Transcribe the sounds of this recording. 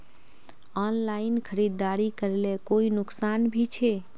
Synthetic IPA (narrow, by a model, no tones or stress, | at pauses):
ɔnlainkʰəɾid̪ːaɾikəɾelekoinʊksanbʱit͡ʃʰe